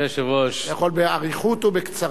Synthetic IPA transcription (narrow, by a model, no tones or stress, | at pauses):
eʃevoʃjaχolbeaʁiχut̪obekt͡saʁ